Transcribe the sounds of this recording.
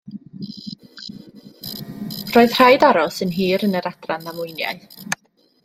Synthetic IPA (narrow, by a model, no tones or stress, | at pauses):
roːɨð̥r̥ajdaɾɔsənɦiːɾənəɾad̥ranamʊɨnja̰ɨ